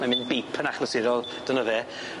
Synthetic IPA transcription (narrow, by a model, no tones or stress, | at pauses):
mamɪnbiːpʰənaχlˠəsɪɾɔlˠ | d̥ənəvɛ